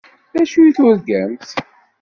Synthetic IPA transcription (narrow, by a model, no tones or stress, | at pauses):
ðæʃujθʊɾɡæmt̪